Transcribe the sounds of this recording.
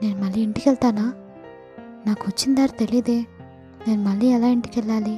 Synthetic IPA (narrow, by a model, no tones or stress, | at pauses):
neːnmɐlːiiɳʈikɛɭt̪aːnaː | naːkɦot͡ʃːind̪aːɾt̪elid̪eː | neːnmɐlːiɛlaːiɳʈi̥kɛlːaːli